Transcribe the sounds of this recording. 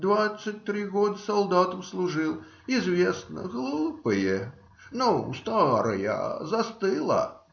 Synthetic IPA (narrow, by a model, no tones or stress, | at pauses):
d̪vat̪sːɨt̚ʲt̪ːɾʲiɣod̪əsɐlˠd̪at̪əmslˠʊʐɨlˠ | ɪzvʲesnə̰ɣlˠupɨjə | nust̪aɾəja̰zɐst̪ɨlˠə̰